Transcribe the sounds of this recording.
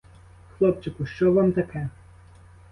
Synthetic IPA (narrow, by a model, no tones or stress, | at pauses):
xlˠɔp̚t͡ʃɪkʊʃt͡ʃɔʋɑmt̪ɐkʰɛ